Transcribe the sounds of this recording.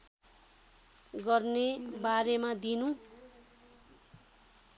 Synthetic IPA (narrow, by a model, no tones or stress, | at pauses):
ɡʌrnebaɾemad̪inu